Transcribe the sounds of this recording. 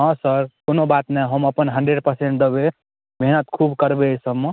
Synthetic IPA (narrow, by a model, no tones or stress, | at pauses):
ɦʌ̃səɾkonobat̪naɦəməpənɦəɳɖɾeɖ̚pəɾseɳʈ̚d̪əbe | bʱeɦnət̪kʰubkəɾbesəbme